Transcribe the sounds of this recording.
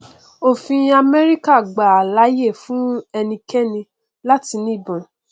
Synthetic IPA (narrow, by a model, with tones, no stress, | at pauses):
o˦˨fĩ˧a˧mɛ˦ɾi˦ka˦˨ɡ͡ba˨a˨la˨˦je˦˨fũ˦ɛ˧nĩ˧kɛ˦nĩ˧ | la˦ti˧nĩ˦˨bɔ̃˨